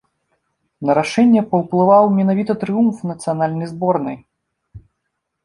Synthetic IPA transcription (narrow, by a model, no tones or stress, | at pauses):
nɐɾaʂɛnʲːɛpɐwplˠɨvawmʲɛnavʲit̪ɐt̪ɾɨjumfnɐt̪sɨjanalʲnɐjzbɔrnɐj